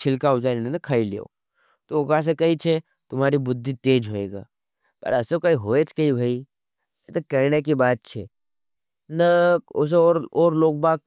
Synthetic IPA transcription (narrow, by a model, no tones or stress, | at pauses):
t͡ʃʰɪlkaʊd͡ʒaːɾinenɐkʰailḛo̰ː | t̪oʊkas̬ekɐit͡ʃʰe | t̪ʊmaːɾibʊd̪ʱːit̪eːd͡ʒɦoːeːɡa̰ː | pɐ̰ɾɐsekɐiɦoːet͡ʃʰkɐibʱai | t̪ɐkɐɾnekibaːt̪̚t͡ʃʰɛ̰ | nɐʊs̬eoːɾoːɾloːɡ̚baːk̚